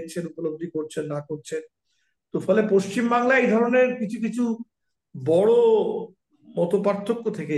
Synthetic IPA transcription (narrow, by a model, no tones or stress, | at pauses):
t͡ɕʰenupolob̚d̪ʱikoɾt͡ɕʰenːakoɾt͡ɕʰen | t̪ofʰɔlepoʃt͡ɕimbaŋlaejd̪ʱɔɾoneɾkit͡ɕʰuk̬it͡ɕʰu | bɔɽo | mɔt̪opaɾt̪ʰːokːot̪ʰeke